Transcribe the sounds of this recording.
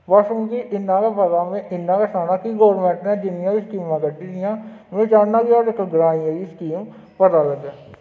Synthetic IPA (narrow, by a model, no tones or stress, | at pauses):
ʋasəmkiʔɪnːãːkaːpət̪aːmẽʔɪnːãːkaːsaːnaːkiːɡɔːɾmɛ̃ːɳʈnɛ̃ːd͡ʒɪnɪjãːiskiːmãːɡəɖiːd̪ɪjãːʋẽːt͡ʃaːnãːɡiaːɾɪkɡɾaːiãɡiːskiːm | pət̪aːləɡɛː